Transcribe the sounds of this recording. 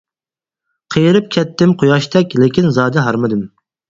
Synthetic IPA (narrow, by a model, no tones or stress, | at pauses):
qʰəjɾɨp̚kʲʰɛt̪ːɪmqʰojɑʃt̪ʰɛkʲlɪkʲinzɑːd̪ɛɦɑɾmɨd̪ɨm